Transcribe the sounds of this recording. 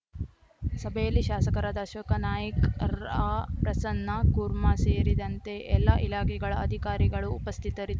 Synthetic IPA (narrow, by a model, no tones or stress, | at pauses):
sɐbʱɐjɐlːiʃaːsɐkɐɾaːd̪aʃɐkɐnaːjɐkɐɾapɾɐsɐnːɐkuːɾmaseːɾid̪ɐnt̪e̞ʔɛlːaʔilaːkɛɡɐɭɐɐd̪ʱikaːɾiɡɐɭuːpɐst̪ʰit̪ɐɾid̪u